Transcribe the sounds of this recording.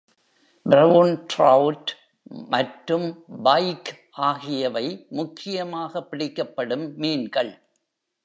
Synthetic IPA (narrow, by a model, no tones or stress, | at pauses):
bɾɐʋʊnʈɾɐʋʊʈ | mɐʈɾɯmbɐɪkʔaːɣɪjɐʋɐɪmʊkʰːɪjɐmaːɣɐpːɪɽɪkːɐpːɐɽɯmːiːnɡɐɭ